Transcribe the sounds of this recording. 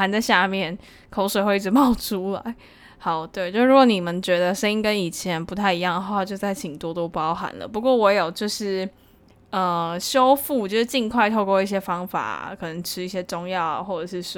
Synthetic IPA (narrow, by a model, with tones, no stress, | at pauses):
a˧˥nt͡sa˥˧ɪɕja˥˧mjɛ˥˩n | kʰo˧˥ʊʂwe˨˩xwe˥˧ɪi˥˩ɻ̩˧˥mɑ˥˩ʊʈ͡ʂʰu˦˥la̰˧˦ɪ | xɑ˨˩ʊt̪we˥˩ɪt͡ɕo˥˧˥ɻu˧ɡwɔ˧˦ni˨˩mə˨˦nt͡ɕɥɛ˧˦˥d̪ə˧ʂə˥ni˥ŋkə˦ni˨˩t͡ɕʰjɛ˧˥npu˧˥t̪ʰa˥˩ɪi˧jɑ˥˩ŋd̪ə˩xwa˥˧˩t͡ɕjo˥˧ʊt͡sa˥˩ɪt͡ɕʰi˨ŋt̪wɔ˥t̪o˥ʊpu˧ɑ˥ɑ˥˧ʊxa̰˨˧˦nlə̰˦˩pu˧˦kwɔ˥˩wɔ˧˥jo˨˩ʊt͡ɕjo˥˧ʊʂɻ̩˥˩ | ə˧˩ɕjo˥ʊfu˥˩t͡ɕjo˥˧ʊʂɻ̩˥˩t͡ɕi˥˧ŋkʰwa˥˧ɪt̪ʰo˥˧kwɔ˥˧i˥˩ɕjɛ˥fɑ˥ŋfa̰˨˩˦kʰɤ˨˩nə˧˥ŋʈ͡ʂʰɻ̩˥i˥˩ɕjɛ˥ʈ͡ʂʊ˥ŋjɑ˥˨ʊxwɔ˥˩ʈ͡ʂɤ˨˩ʂɻ̩˥˩ʂ